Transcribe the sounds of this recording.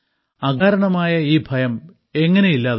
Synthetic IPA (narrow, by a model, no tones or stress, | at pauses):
ɐɡaːɾɐɳɐmaːjɐiːbʱɐjɐm | e̞ŋːɐne̞jilːaːð